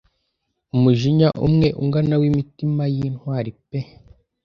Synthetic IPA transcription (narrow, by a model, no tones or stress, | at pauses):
umuʒiɲaʔṵmŋe̞ʔuŋɡanawimitimajinhwaːɾipe